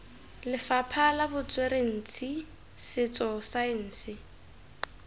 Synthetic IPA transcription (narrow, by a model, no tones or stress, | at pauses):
lɪfapʰalabʊt͡sʼweɾen̩ːt͡sʰi | sɪt͡sɔsaɪn̩ːsɪ